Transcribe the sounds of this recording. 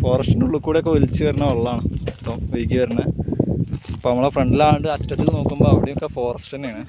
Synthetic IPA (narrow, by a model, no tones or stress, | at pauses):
fo̞ːrɐsʈinduɭːukːuːɽeokːeolit͡ɕːɨʋɐɾinːɐoɭːaːɳɨp̪ːoːmʋejikʲːiʋɐɾinːɐ | ɐpːoːɐmːɐɭefreɳɖilaːɳɖɨɐtːɐt̪ːilno̞ːkːumbo̞ːɐʋiɽejmokːefo̞ːrɐsʈɐneːɳɨ